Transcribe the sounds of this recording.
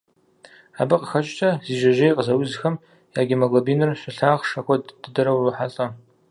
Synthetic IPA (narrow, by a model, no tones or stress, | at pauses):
abɨqʼxɐt͡ʃʼtʰaziʒʷaʒejqʼzawizxɐm | jaɡʲimaɡobinɨrɕʷaɬaːʁʂakʷʰadd̥ɨdɨɾɐwħaɬʼa